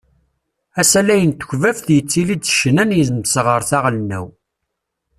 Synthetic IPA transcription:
æsælæjənt̪ə̥çvæfθjət͡sːilid̪t͡sːʃnænjəzəmsʁəɾˤθɑʁlnæ̰w

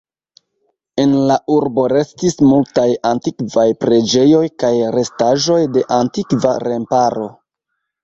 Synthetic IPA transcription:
e̞nlaʔuɾbo̞ɾe̞stismultajantikvajpɾe̞d͡ʒe̞jo̞jkajɾe̞staʒo̞jde̞ʔantikvaɾe̞mpaɾo̞

